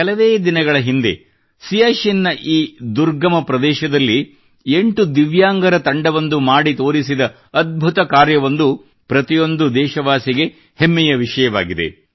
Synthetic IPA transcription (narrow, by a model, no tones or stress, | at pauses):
ɐlɐʋeːd̪inɐɡɐɭɐɦind̪e̞̰ | sijaːʃinːɐʔiːd̪uɾɡɐmɐpɾɐd̪ɛːʃɐd̪ɐlːi | eɳʈud̪iʋjaːŋɡɐɾɐt̪ɐɳɖɐʋɐnd̪umaːɽit̪o̞ːɾisid̪ɐ | ɐd̪̚bʱut̪ɐkaːɾjɐʋɐnd̪u | pɾɐt̪ijo̞nd̪ud̪ɛːʃɐʋaːsiɡe | hemːɛjɐʋiʂɐjɐʋa̰ːɡid̪e̞̰